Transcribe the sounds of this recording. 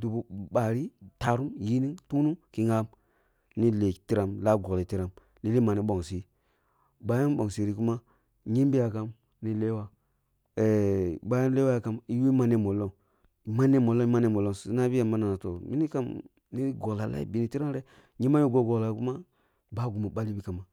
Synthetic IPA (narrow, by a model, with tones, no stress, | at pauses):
du˨bu˨ɓa˨ɾi˦ta˨ɾu˦mji˦ni˦tu˦nu˦ki˨ŋa˦m | ni˦le˨ti˦ɾa˨mla˦ɡo˨li˨ti˦ɾa˨m | li˦li˦ma˨ni˦ɓo˨ŋsi˦ | ba˦ja˦n˦ɓo˨ŋsi˨ɾi˨ku˦ma˦ | ɲi˦mbi˦ja˨ka˦m | ni˦le˦wa˦ | e˨ba˦ja˦n˦le˦wa˦ja˨ka˦mi˦wi˦ma˦ne˦mo˨lo˦ŋ | i˨ma˦ne˦mo˨lo˦i˦ma˦ne˦mo˨lo˦˨sna˦bi˦ja˨mma˦na˨na˨to˨mi˦i˦ka˦m | ni˦ɡo˨la˨la̰˦ḭ˦˨bi˨ni˨˦ti˦ɾa˦n˦ɾe˦ | ɲe˦ma˦jo˦ɡo˦ɡo˨kla˨˦ku˦ma˦ | ba˦ɡu˨ma˨ɓa˦li˦bi˦ka˨ma˨